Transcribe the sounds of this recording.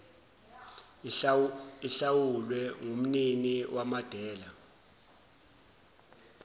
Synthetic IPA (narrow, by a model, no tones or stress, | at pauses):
iɬawulwɛŋom̩niniwʔamad̥ʱɛːla